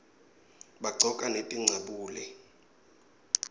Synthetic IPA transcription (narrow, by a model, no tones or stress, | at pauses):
ɓaɡ͡ǀʱɔkʼanetʼiŋ͡ǀʱaɓuːlɛ